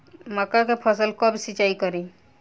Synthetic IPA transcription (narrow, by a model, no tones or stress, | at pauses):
məkakepʰəsəlkɔbsit͡ʃaikɔɾi